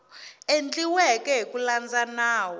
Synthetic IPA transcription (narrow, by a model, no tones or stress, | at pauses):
end͡ɮiwɛkɛɦikuland͡zanaːwɔ